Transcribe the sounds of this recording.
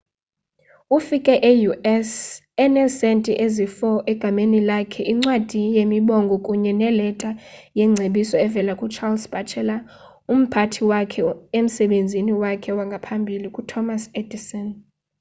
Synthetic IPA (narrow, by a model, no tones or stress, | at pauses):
ufikʼɛʔejuʔɛs | ɛnɛsɛntʼiʔezifɔʔɛɡ̥ʱamenilakʰɛʔiŋ͡ǀwad̥ʱijemiɓɔŋɡʱɔkʼuɲɛnɛlɛtʼajɛŋ͡ǀʱeɓisɔɛvɛlakʼut͡ʃʰalsb̥ʱat͡ʃʰɛla | um̩pʰatʰiwakʰɛem̩sɛɓend͡zʱiniwakʰɛwaŋɡʱapʰambʱilikʼutʰɔmased̥isɔn